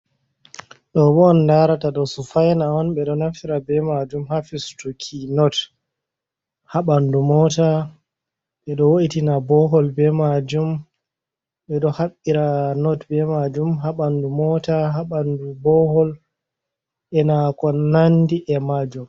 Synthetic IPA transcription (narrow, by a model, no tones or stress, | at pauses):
ɗɔbɔnːdaɾataɗɔsufajnaɔnɓɛɗɔnafiɾabɛmad͡ʒumhafistukʰinɔt | haɓandumɔta | ɓɛɗɔwoɗitinabɔɦɔlbɛmad͡ʒum | ɓɛɗɔhaɓːiɾanɔtbɛmad͡ʒumɦaɓandumɔtaɦaɓandubɔhɔl | ʔɛnakɔnandiʔɛmad͡ʒum